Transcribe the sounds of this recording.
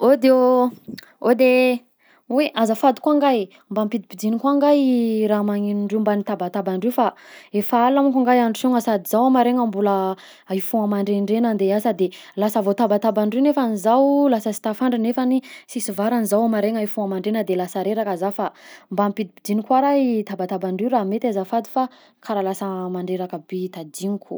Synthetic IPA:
od̪eo | od̪e | weʔazəfad̪u̥kwaŋɡaj | mbampid̪ipid̪inikwaŋɡajɾamaŋinuɳɖ͡ʐeumbanit̪abat̪abaɳɖ͡ʐefaefaalamukaŋɡajaɳɖ͡ʐsoŋəsad̪iz̥awamaɾeŋəmbulə | aifuŋamaɳɖ͡ʐeɳɖ͡ʐenənd̪easəd̪elasəvot̪abat̪abaɳɖ͡ʐewnefanizawlasəsi̥t̪afaɳɖ͡ʐinefanisisuvaɾanizawamaɾeŋaifuŋəmaɳɖ͡ʐenəd̪elasaɾeɾakəzafambamipid̪ipid̪inikwaɾait̪abat̪abaɳɖ͡ʐewɾaːmet̪azafad̪i̥fa | kʰaɾalasəmaɳɖ͡ʐeɾakəbit̪ad̪iniku̥

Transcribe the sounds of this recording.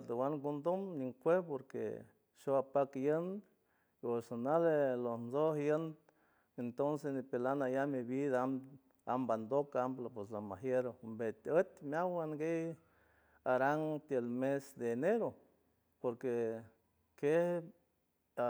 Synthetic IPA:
t̪awaŋɡund̪omniŋkʷepoɾkḛ | ʃoapakjən | osanalelonzohjən | ent̪onsesnipelanajamibid̪am | amband̪okamplapwes̬lamaɦjeɾombet̪ət̪mjawanɡej | aɾaŋt̪elmesd̪eːneɾo | poɾke | ke | a

